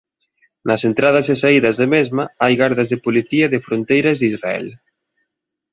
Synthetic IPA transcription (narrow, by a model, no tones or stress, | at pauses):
nɐsent̪ɾað̞ɐsesaiðɐzðemezmaajɣaɾðɐzðɪpoliθiɐðɪfɾont̪ejɾɐzðizraɛ̰l